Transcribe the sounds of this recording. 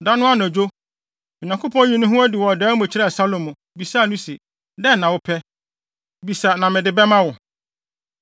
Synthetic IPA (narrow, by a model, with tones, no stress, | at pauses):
da˦nʊ̃˦a˦nɛ˨d͡ʑo˦ | mɔ̃˨ɲã˨ŋkʰo˦pʰɔ̃˦jĩ˨nʊ̃˦ɦʊ̃˦æ˦di˨wɔ˨dɛː˨˦mʊ̃˨t͡ɕʰɾɛ˦˨sa˦lo˨mʊ̃˨ | bi˨sa˦˨nʊ̃˦si˨ | dɛ˦nːã˨wʊ˦pʰɛ˦ | bi˨sa˨nã˨mɪ̃˨dɪ˨bɛ˦mã˦wʊ˨